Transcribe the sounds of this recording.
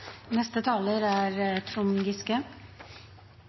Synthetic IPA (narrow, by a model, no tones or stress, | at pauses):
nɛst̪ət̪ʰɑːləɾæːɾt̪ʰɾʊŋɡɪskə